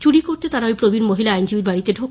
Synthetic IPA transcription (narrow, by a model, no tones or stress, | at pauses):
t͡ɕuɽikoɾt̪et̪aɾaojpɾobiɾmoɦilaajnd͡ʑibiɾbaɽit̪eɖʱo